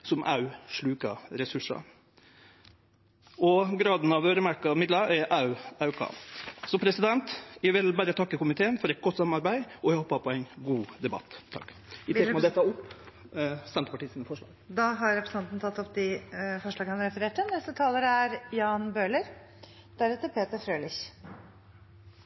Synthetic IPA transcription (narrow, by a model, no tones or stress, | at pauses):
sɔmʔɑ̰ʉʂɭʉːkɑɾɛsʉʂɑ̰ | ʔɔɡɾɑːd̪n̩ɑʋøːɾəmæɾkɑmɪd̪lɑɛʔɑʉɑʉkʰɑ̰ːsɔpʰɾɛsɪd̪ɛnt̪jæʋɪlbæɾət̪ʰɑkːəkʊmɪt̪ʰeːənfɔɾɛɪt̪̚ɡɔt̪ːsɑmːɑɾbæɪɔjæɪhɔpːɑpʰɔæɪnɡuːd̪ɛbɑ̰t̪ːʰɑ̰kː | ɪɛkmɑd̪ɛt̪ːɑʊpː | st̪ɛnt̪ə̥pɑʈiːsinəfɔʂɭɑ̰ːɡd̪ɑɦɑɾɾɛpʰɾəsn̩ɑnt̪nt̪ʰɑt̪ːɔpːd̪ɪfɔʂɭɑːɡəhɑnɾɛfəɾeːʈənɛst̪ət̪ʰɑːləɾəæɾjɑːnbøːɭəɾ | d̪̥æɾhɛt̪əɾpʰeːt̪əɾfɾøːlɪç